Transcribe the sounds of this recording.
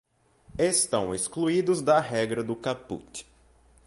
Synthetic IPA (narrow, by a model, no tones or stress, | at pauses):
est̪ɐ̃w̃eskluid̪ʊzd̪ɐɦɛɡɾɐd̪ʊkapṵt̪ɪ̥